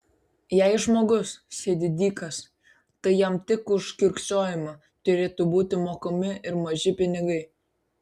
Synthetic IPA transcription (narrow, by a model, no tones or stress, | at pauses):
jɛɪʒmoːɡʊssʲeːd̪ʲɪd̪ʲiːkɐs | t̪ɐɪjɛmt̪ʲɪkʊʃkʲɪɾʲkʲt͡ʃʲoːjɪmɐ | t̪ʊɾʲeːt̪uːbuːt̪ʲɪmoːkɐmʲɪɪɾmɐʒʲɪpʲɪnʲɪɡɐɪ